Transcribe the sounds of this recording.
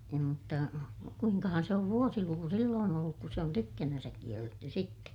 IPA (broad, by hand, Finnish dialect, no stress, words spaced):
ei mutːɑ kuiŋkɑhɑn se oʋ ʋuosiluku silːoːn olːuk ku se on tykːænænsæk kielːetːy sitːe